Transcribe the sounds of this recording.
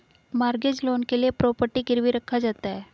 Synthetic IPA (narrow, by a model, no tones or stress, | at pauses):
maɾɡed͡ʑlonkeliepɾɔpəɾʈiːɡiɾʋiːɾəkʰːad͡zat̪ae